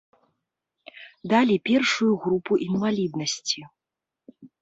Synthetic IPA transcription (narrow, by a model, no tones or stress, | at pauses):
d̪alʲipʲɛrʂujuɣɾupuʔinvalʲid̪nɐsʲt͡sʲi